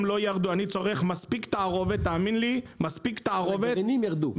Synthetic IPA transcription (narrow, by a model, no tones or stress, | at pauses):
mlo̞jaʁd̪uanit͡so̞ʁe̞χmaspikt̪aːʁo̞vet̪ːaːminlimaspikt̪aːʁovet̪nimjaʁd̪u